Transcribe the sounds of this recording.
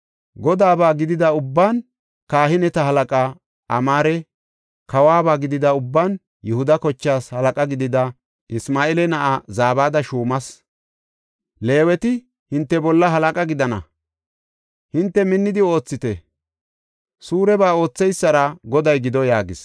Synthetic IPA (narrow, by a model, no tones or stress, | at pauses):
ɡɔd̪aːbaːɡɪd̪ɪd̪ɐʊbːaːn | kaːɦɪnɛt̪ɐɦɐlɐkʼa | ʔɐ̰maːɾɛ | kɐwaːbaːɡɪd̪ɪd̪ɐʊbːaːn | jɛhʊd̪ɐkɔt͡ʃːaːshɐlɐkʼɐɡɪd̪ɪd̪ɐ | ʔɪsmaːɛlɛnɐʔazaːbaːd̪ɐʃuːmɐs | le̞ːwɛt̪ɪ | hɪnt̪ːɛbɔlːɐɦɐlɐkʼɐɡɪd̪ɐnɐ̰ | hɪnt̪ːɛmɪnːɪd̪ɪo̞ːt͡sːɪt̪ɛ | suːɾɛbaːo̞ːt͡sːɛjsːɐɾɐɡɔd̪ɐjɡɪd̪ɔjaːɡɪ̰s